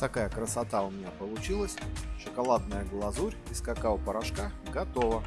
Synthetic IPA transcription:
t̪ɐkajəkɾəsɐt̪aʊmʲɪnʲapəlˠʊt͡ɕilˠəsʲʂəkɐlˠad̪̚nəjəɡlˠɐzuɾʲiskakaʊpəɾɐʂkaɡɐt̪ovə

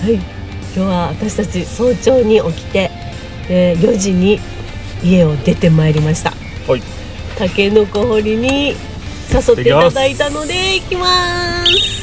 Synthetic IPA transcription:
hai | kʲo̞ːβaβat̪aɕi̥t̪at͡ɕiso̞ːt͡ɕo̞ːɲ̟iʔo̞kʲi̥t̪e̞ | d̪̥e̞jo̞ʑiɲ̟i | ie̞o̞d̪e̞t̪e̞maeɾʲimaɕi̥t̪a̰ | t̪ake̞no̞ko̞ho̞ɾʲiɲ̟i | saso̞t̪ːeitd̪ait̪ano̞d̪e̞ikʲimasɨ̥

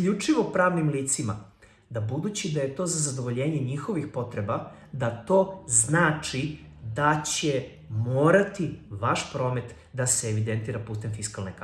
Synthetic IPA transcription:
ʎut͡ʃiʋo̞pɾaːʋnimliːt̪sima̰ | d̪abud̪ut͡ɕid̪aje̞t̪o̞ːzazad̪o̞ʋo̞ʎe̞ːɲe̞ɲixo̞ʋixpo̞t̪ɾe̞ba | d̪at̪o̞ːznaːt͡ʂid̪at͡ɕe̞ | moːɾat̪iʋaʃpɾo̞ːme̞t̪ | d̪aseːʋid̪e̞nt̪iːɾapuːst̪enfiskalˠnek

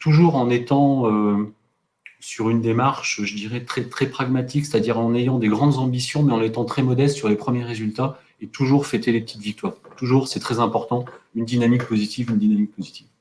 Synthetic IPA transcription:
t̪uʒuʁɑ̃net̪ɑ̃ø | syʁynd̪emaʁʃʒəd̪iʁɛt̪χɛt̪χɛpχaɡmat̪ikse̥t̪ad̪iʁɑ̃nejɑ̃d̪eɡʁɑ̃d̪zɑ̃bisjɔ̃mɛɑ̃let̪ɑ̃t̪χɛmɔd̪ɛst̪syʁlepχəmjɛʁːezylt̪a | et̪uʒuʁfet̪elepət̪it̪vik̚t̪waːʁt̪uʒuːʁsɛt̪χɛzɛ̃pɔʁt̪ɑ̃ynd̪inamik̚pozit̪ivynd̪inamik̚pozit̪iv

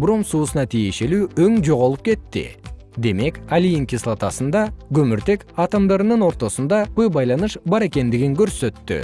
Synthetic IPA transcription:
bɾo̞msuːsənɑt̪ʰije̞ʃe̞luɵŋʒo̞ʁolˠəp̚kʲʰe̞t̪ːɪ̰ | d̪e̞me̞kʲalijɪŋkʲislˠɑt̪ɑsənd̪ɑɡʲɵmɪɾt̪e̞kɑt̪ɑmd̪ɑɾənənwo̞ɾt̪o̞sənd̪ɑpʰɵbɑjlˠɑnəʃbɑɾe̞kʲe̞nd̪ɪɡʲɪŋkʲʰɵɾsøt̪ːɪ̰

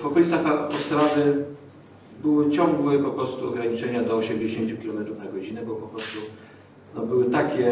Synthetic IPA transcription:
vɔkɔlʲit̪saxapɔst̪ɾavɘ | bɘwɘt͡ɕɔ̃ŋɡwɘpɔpɾɔst̪uɔɡɾaɲit͡ʂɛɲad̪ɔːɕɛmd͡ʑeɕeɲt͡ɕukʲilɔmɛt̪ɾufnaɡɔd͡ʑinɛbɔpɔpɾɔst̪u | nɔbɘwɘt̪akʲɛ

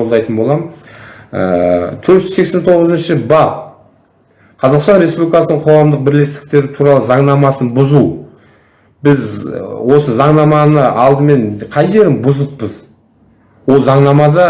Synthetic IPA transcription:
o̞lˠd̪ɑjt̪ənbo̞lˠɑmənə̰t̪ʰɵɾt̪ʒzse̞kse̞nt̪ʰo̞ʁəzənʃɪbɑ | qʰɑzɑqst̪ɑnɾe̞spublʲijkɑsənəɴqʰo̞ʁɑmd̪əq̚bɪɾle̞st̪ɪ̥k̚t̪e̞ɾɪt̪ʰuɾɑlˠəzɑɴnɑmɑsənbʊzu | bɪzwo̞səzɑɴnɑmɑnəɑlˠd̪əme̞nqʰɑjʒe̞ɾɪmbʊzəpːəz | wo̞lˠzɑɴnɑmɑd̪ɑ

